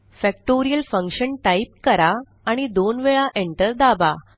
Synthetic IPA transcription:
fɛk̚ʈoɾijəlfə̃ŋkɕənʈaip̚kəɾaː | ɽ̃id̪onʋeɭaʔeɳʈəɾd̪aba

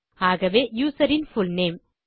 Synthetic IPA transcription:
aːɣɐʋeːjuːsɐɾɪnfʊlneːm

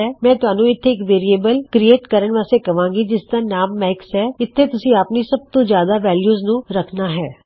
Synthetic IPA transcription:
ɛːmɛ̃ːt̪ʊaːnũːɪt̪ʰːeɪkʋeːɾieːbəlkɾieːʈkəɾəɳʋaːst̪ekɐʋãːŋɡid͡ʒɪsd̪anaːmːɛːksɦɛːɪt̪ʰːet̪ʊsĩapnisɐb̚t̪õːzjaːd̪aʋɛːljuːznũːɾɐkʰnaːɦɛː

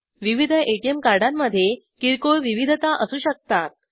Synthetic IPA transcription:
ʋiʋid̪ʱəʔeʈiemkaɾɖamːəd̪ʱːje | kiɾkoɭʋiʋid̪ʱət̪aʔəsuːɕək̚t̪at̪̚

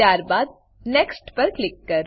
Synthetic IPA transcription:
aːɾbaːd̪̚ | nɛːksʈpɐɾklɪkːɐɾ

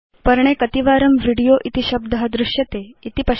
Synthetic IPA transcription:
pəɾɳ̃ekət̪iʋaːɾəmʋiɽijoʔit̪iɕəb̚d̪ʱəɦɐd̪ɾuɕjɐt̪eit̪ipɐ

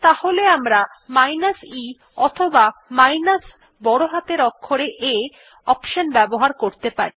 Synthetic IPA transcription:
t̪aholeamɾa | majnasi | ɔt̪ʰobamajnas | bɔɽoɦat̪eɾɔkʰːoɾeʔe | ɔpʃonbɛboɦaɾkoɾt̪epa̰ɾi

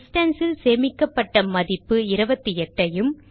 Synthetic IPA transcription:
sʈɐnsɪlseːmɪkːɐpːɐʈːɐmɐðɪpːɯɪɾɯbɐt̪ːiɛʈːɐjɯm

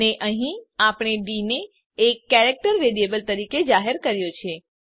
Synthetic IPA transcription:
eʔəɦĩapɳ̃eɖineː | kːɛɾek̚ʈəɾːeɽiebəlt̪əɾiked͡ʒaɦəɾkəɾjot͡ʃʰe

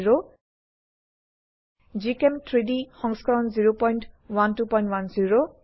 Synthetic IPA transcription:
ɹo | d͡ʒikemtʰɹidixɔŋskaɹɔnziɹopɔjntwantupɔj̃ntwanziɹo

